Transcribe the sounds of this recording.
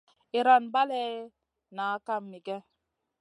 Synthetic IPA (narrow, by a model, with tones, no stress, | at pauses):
i˨ɾa˨nba˦lɛ˦ | naː˨˦ka˦mːi˨ɡɛ˦